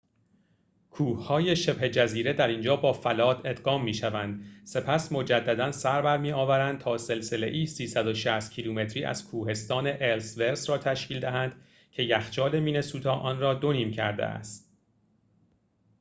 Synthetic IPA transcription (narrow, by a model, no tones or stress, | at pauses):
kʰuːhhɒːje̞ʃe̞bhe̞d͡ʒæziːɾe̞d̪æɾind͡ʒɒːbɒːfælɒːd̪e̞d̪ɢɒːmːiːʃævænd̪̥se̞pʰæsmo̞d͡ʒæd̪ːæd̪ænsæɾbæɾmiːɒːvæɾænd̪̚t̪ʰɒːse̞lse̞le̞̰ʔiːsiːsæd̪o̞ʃæst̪cʰiluːme̞t̪ʰɾiːʔæ̰z̥kʰuːhe̞st̪ɒːne̞ʔelsve̞ɾsɾɒːt̪ʰæʃcʰiːld̪æɦænd̪ | cʰe̞jæxt͡ʃɒːle̞miːne̞suːt̪ʰɒːʔɒːnrɒːd̪o̞niːmcʰæɾd̪ḛʔæ̰st̪̚